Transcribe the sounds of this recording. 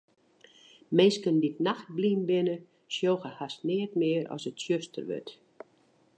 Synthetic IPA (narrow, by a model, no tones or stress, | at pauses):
mɪskənditnaxt̚bliːmbɪnə | sjoːxəhasnɪətmɪəɾɔ̰sətsjøstə̰rʋø̰t